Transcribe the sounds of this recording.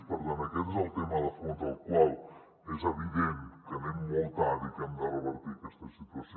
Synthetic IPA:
pəɾðanɐket̪zəlˠt̪emɐðəfonzəlˠkwalˠ | ezəβiðent̪kənemːolˠt̪aðikənd̪arəβəɾt̪ikɛst̪ɐsit̪uɐs

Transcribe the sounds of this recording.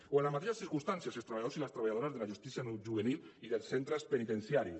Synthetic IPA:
oenlːazmat̪eʃasθiɾkunst̪ansjaselst̪ɾaβajaðosilast̪ɾaβaʎaðoɾazðelaʒust̪isjanuʒuβeniliðelˠssent̪ɾespenit̪ensjaɾi

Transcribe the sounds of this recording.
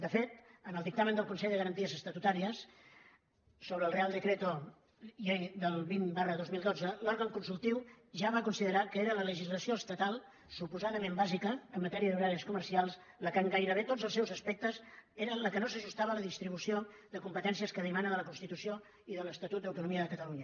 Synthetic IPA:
d̪əfet̪ənəlˠd̪ik̚t̪amənd̪əlˠkunsɛʎðəɣəɾənt̪iəzəst̪ət̪ut̪aɾiəs | oβɾəːlˠrealˠd̪əkɾet̪o | jejd̪əlˠβimbarəðozmilˠd̪od͡zəlɔɾɣəŋkunsulˠt̪iw | ʒaβakunsiðəɾakəeɾələləʒizləsioəst̪ət̪alˠ | supuzaðəmembazikəːmːət̪ɛɾiəðuɾaɾiskumərsialˠs | ləkəŋɡajɾəβet̪odd͡zəlˠsɛwzəspɛk̚t̪əseɾələkənosəʒust̪aβəːləðist̪ɾiβ̞usio | ðəkumpət̪ɛnsiəskəðimanəðələkunst̪it̪usio | iðələst̪ət̪ut̪̚d̪əwt̪unumiəðəkət̪əluɲə

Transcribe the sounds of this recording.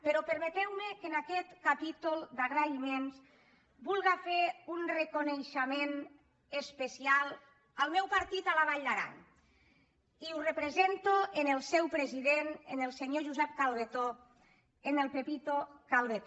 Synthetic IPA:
peɾɔpəɾmet̪ɛwmekenakɛt̪kapit̪ulˠd̪aɣɾaimens | bulˠɣafeɾunrekonejʃemen | əspesialˠ | alˠmɛwpaɾt̪it̪alaβaʎd̪aɾa̰ɲ | iurepɾezent̪oenelˠsɛwpɾeziðenenelˠseɲoʒuzɛp̚kalˠðet̪o | enelˠpepit̪okalˠðet̪

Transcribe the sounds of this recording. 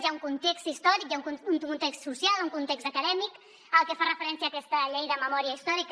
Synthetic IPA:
ʒauŋkunt̪ekst̪ist̪ɔɾikjauununt̪ekst̪susjalˠuŋkunt̪ekst̪əkəðɛmik | əlˠkefarəfəɾɛnsiaːkɛst̪əʎejðəməmɔɾiəist̪ɔɾik

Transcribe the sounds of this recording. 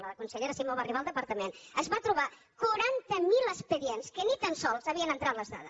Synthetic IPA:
ləəkunsəʎeɾəsimoβariβalˠd̪əpəɾt̪əmenəzβat̪ɾuβa | kuɾant̪əmiləspəðienskənit̪ansɔlˠzaβiənənt̪ɾat̪ləzða̰ðə

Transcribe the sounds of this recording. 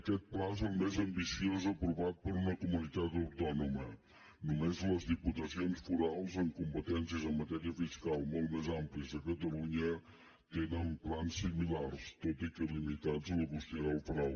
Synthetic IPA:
əkɛt̪̚plazɛlˠmezəmbisiozəpɾuβat̪̚pəɾunəkumunit̪at̪əwt̪ɔnumə | numezləzðiput̪əsionsfuɾalˠzəŋkumpət̪ɛnsiəzəmmət̪ɛɾiəfiskalˠmolˠt̪mɛzampliəzðəkət̪əluɲə | t̪enəumplansːimilaɾst̪ot̪ikəlimit̪azələɣust̪əɾəlˠfuɾalˠ

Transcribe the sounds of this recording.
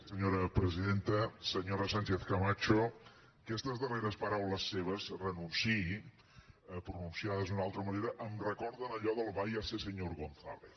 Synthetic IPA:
səɲoɾəpɾəziðent̪əsəɲoɾəsant͡ʃeθkəmat͡ʃo | kɛst̪əzðəreɾəspəɾawləsːeβ̞əzrənunsi | pɾununsiaðəzunalˠt̪ɾəməneɾəʔəmrəkɔɾðənəʎɔðəlˠβajasesəɲoɾɣonθa̰βe

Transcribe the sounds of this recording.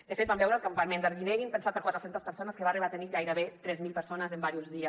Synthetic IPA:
d̪əfet̪̚bambɛwɾəlˠkampamẽnd̪əɾɣineɣimpənsat̪̚pəɾkwat̪ɾəsent̪əspəɾsonəskəβariat̪eniɣajɾəβet̪ɾɛzmilˠpəɾsonəzəmbaɾiuzðiəs

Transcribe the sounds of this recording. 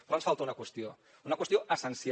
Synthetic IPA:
pɾɔɐnsfalˠt̪aunɐkwəst̪io | unɐkwəst̪ioəsənsi

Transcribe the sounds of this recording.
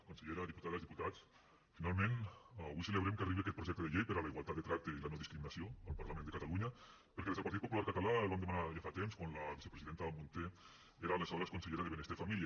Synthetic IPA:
kunseʎeɾaðiput̪aðalzðiput̪at͡s | finalˠmẽnaβujseləβɾemkariβeakɛt̪̚pɾuʒɛk̚t̪eðeʎejpeɾalaiɣwalˠt̪at̪d̪et̪ɾak̚t̪eilanoðiskɾiminasioalpaɾlamẽnd̪ekat̪aluɲa | peɾkeezəlpaɾt̪it̪populaɾkat̪alalβamd̪emanaʎefat̪emskwanlaβise̥pɾeziðent̪aamunt̪e | eɾalesaɾaskunseʎeɾaðeβenest̪efamilia

